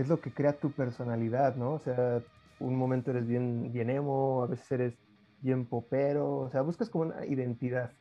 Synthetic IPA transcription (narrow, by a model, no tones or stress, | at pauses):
e̞zlo̞ke̞kɾe̞at̪upe̞ɾso̞naliðaðno̞ːse̞a | ṵnmoment̪o̞e̞ɾezβje̞nbje̞nemoaβe̞sese̞ɾe̞z | bje̞mpo̞pe̞ɾo̞ːse̞aβuskasko̞mounʔa̰ḭðe̞nt̪iðað